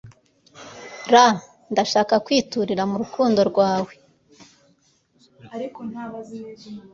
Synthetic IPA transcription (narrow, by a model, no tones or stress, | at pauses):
ɾa | ndaʃaːkakwiːtuɾiɾamuɾukuːndo̞ɾɡwaːwe̞ | aɾikona